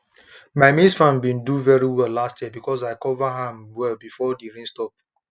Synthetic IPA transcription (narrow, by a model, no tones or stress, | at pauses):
maɪmisfãmbĩnduvɛɹiwɛlːastjɛbikɔsaɪkɔvaɦãmwɛlbifɔdiɹĩnstɔp̚